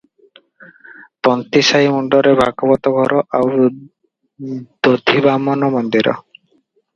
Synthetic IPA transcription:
t̪ɔnt̪isaimuɳɖɔɾebʱakɔbɔt̪ɔɡʱɔɾɔʔaw | d̪̥od̪ʱibamɔnɔmɔnd̪iɾɔ̰

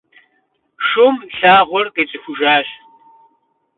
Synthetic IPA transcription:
ʂʊmɬaːʁʷɔrqeːt͡sʼɨxʷʊʒaːɕ

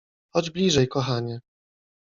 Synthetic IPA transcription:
xɔd͡ʑblʲiʐɛjkɔxaɲɛ

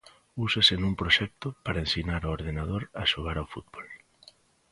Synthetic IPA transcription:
usesenũŋpɾoʃɛk̚t̪ʊpaɾaensinaɾooɾð̞enað̞oɾaʃoɣ̞aɾawfut̪bol

